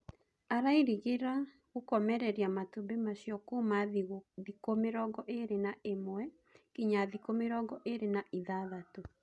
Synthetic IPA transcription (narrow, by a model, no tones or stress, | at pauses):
aɾaiɾiɣeɾa | ɣokɔmɛɾɛɾiamatubemaɕjɔkomaðikomeɾɔɡɔʔeɾenaʔemoɛ | kiɲaðikomeɾɔɡɔʔeɾenaʔiðaðato